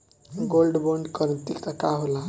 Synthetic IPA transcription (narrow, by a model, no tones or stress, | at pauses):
ɡolɖboɳɖkəɾnt̪ikt̪əkaɦola